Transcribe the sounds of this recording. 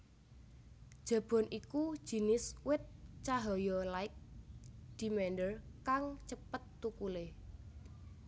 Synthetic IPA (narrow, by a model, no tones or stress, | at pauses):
d̥ʒ̥ä̤b̥ɔ̤nʔiku̥ʒ̥i̤nɪswɪt̪̚t͡ʃaɦɔjɔlaɪk̚ | d̪̥i̤mɛnɖərkaŋt͡ʃəpət̪ːukule